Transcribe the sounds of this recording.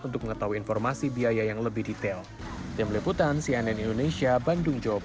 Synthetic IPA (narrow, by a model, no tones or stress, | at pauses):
unt̪ʊk̚məŋət̪aɦuiːnfɔrmasibiajajaŋləbɪhdit̪ɛl | t̪ɪmliput̪ansiɛnɛnindonesiabandʊŋd͡ʒawab